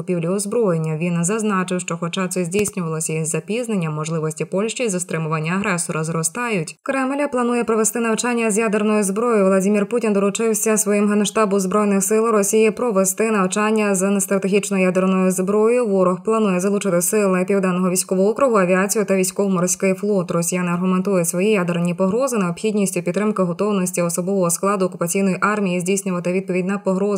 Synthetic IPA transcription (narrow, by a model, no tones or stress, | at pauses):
ʊpʲiwlʲiʊzbɾɔjenʲːɐʋʲinzɐznɑt͡ʃɪwʃt͡ʃɔxɔt͡ʃɑt̪sɛzʲdʲijsʲnʲʊʋɐlˠɔsʲɐjizʲːɐpʲiznenʲːɐmːɔʒlˠɪʋɔsʲtʲipɔlʲʃʲt͡ʃizɐst̪ɾɪmʊʋanʲːɐɐɦɾɛsɔɾɐzɾɔst̪ɑjʊtʲkɾɛmlʲɐplˠɐnujɛpɾɔʋest̪ɪnɐwt͡ʃɑnʲːɐzʲjad̪ernɔjʊzbɾɔjʊʋlˠɐdʲimʲirputʲind̪ɔlˠʊt͡ʃɪwsʲɐsʋɔjimɦɛnʃt̪ɑbɔmzbɾɔjnɪxsɪlˠɾɔsʲijipɾɔʋest̪ɪnɐwt͡ʃɑnʲːɐznɛst̪ɾɐt̪eɦʲit͡ʃnɔjʊjad̪ernɔjʊzbɾɔjʊʋɔɾɔxplˠɐnujɛzɐlˠut͡ʃɪt̪ɪsɪlˠɪpʲiwd̪ɑnːɔɦɔʋʲijsʲkɔʋɔɦɔɔkɾʊɦʊɐʋʲiat͡sʲijʊt̪ɐʋʲijsʲkɔʋʊmɔɾsʲkɪjflˠɔt̪rɔsʲijanɪɐrɦʊment̪ujɛsʋɔjijad̪ernʲipɔɦɾɔzɪneɔpxʲidʲnʲisʲtʲʊpʲit̪ːɾɪmkɪɦɔt̪ɔwnɔsʲtʲiɔsɔbɔʋɔɦɔsklˠɑd̪ʊɔkʊpɐt͡sʲijnɔjiʔɑrmʲijizʲdʲijsʲnʲʊʋɐt̪ɪʋʲid̪̚pɔʋʲidʲnɐpɔɦɾɔz